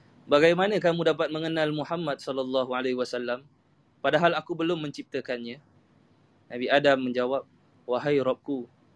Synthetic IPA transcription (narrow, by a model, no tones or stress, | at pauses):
baɡajmanə̃k̬amũdap̬at̪̚mə̃ŋənalmuħamːat̪̚sɔlalːɑɦualehwasalːam | padaɦalakubəlʊmːə̃ɲt͡ʃip̚t̪əkanɲã | nabiadamːə̃ɲd͡ʒawap̚ | waɦajɾɔp̚ku